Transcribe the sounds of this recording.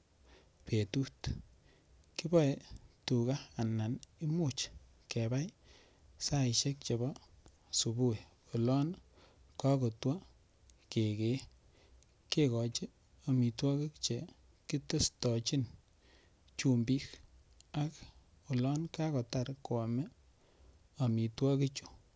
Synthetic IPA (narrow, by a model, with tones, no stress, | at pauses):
pe˨tu˦t | ki˦bɔ˦e˨tu˨kaː˦˨na˨ni˦mu˦t͡ʃ | ke˨ba˦j | sa˦i˨ʃe˦k̚t͡ʃe˨bɔ˦ | su˨bu˦e˨ | o˨lɔ˦n | ka˦ko˨twa˦ | ke˨ke˨˦ | ke˦kɔ˨t͡ʃi˦ | o˨mi˨twɔ˦kɪ˦kt͡ʃe˨ | ki˦to˦stɔ˨t͡ʃi˦n | t͡ʃu˨mbi˦k | a˦k | o˨lɔ˦nka˦kɔ˨ta˨ɾkwa˨mɛ˦ | a˨mi˨twɔ˦ki˦t͡ʃu̥˨